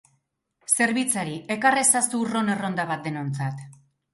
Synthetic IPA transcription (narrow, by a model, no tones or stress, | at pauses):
se̞ɾβit͡saɾiʔe̞karesasuro̞ne̞ro̞nd̪aβat̪̚d̪e̞no̞nt͡sat̪